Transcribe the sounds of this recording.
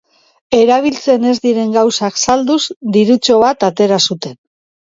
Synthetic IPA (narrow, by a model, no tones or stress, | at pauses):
e̞ɾaβ̞ilt͡se̞ne̞zd̪iɾe̞ŋɡawsaksald̪uzd̪iɾut͡ʃo̞β̞at̪at̪e̞ɾasut̪e̞n